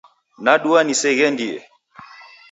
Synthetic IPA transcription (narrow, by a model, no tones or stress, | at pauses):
naɗuanisɛɣɛndiɛ̰